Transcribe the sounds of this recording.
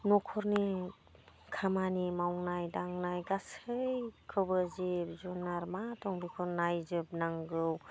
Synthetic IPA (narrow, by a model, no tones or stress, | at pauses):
nɔkʰɔɾni | kʰamanimawŋnajdaŋnajɡasɯjkʰɯbɯzip̚zunaɾmatʰɔŋbikʰɔɾnajzɯp̚naŋɡɯw